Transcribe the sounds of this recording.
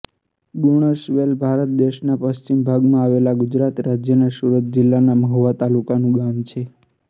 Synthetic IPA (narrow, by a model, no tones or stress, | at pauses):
ɡuɽ̃əsʋelbʱaɾət̪̚d̪eʃnapəst͡ʃimbʱaɡmãaʋelaɡud͡ʒɾat̪ɾad͡ʒjənesuɾət̪̚d͡ʒɪlːanaməɦʋat̪alukanũɡamt͡ʃʰe